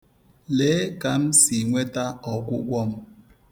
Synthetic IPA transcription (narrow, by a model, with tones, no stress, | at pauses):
le˨˦ka˨m̩˦si˨ŋʷe˦ta˦ɔ˨ɡʷʊ˦ɡʷɔ˦m̩˨˦